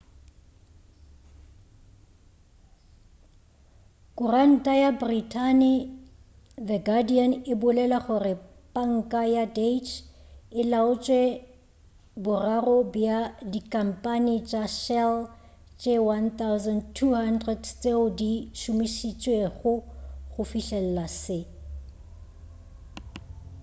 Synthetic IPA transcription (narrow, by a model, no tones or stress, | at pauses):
kʼʊran̩tʼajabritʰʼanɪ | ðɛɡadianɪbʊlɛlaχʊrɪ | pʼaŋ̩kʼajadet͡ʃʰɪlaʊt͡ʃʼwɛ | bʊrarɔbjadikʼam̩pʼanit͡ʃʼaʃɛl | t͡ʃʼewant̪awzantʰuhandrɛdt͡seldiʃʊmiʃit͡ʃʼweɣʊofiʃɛl̩lasɪ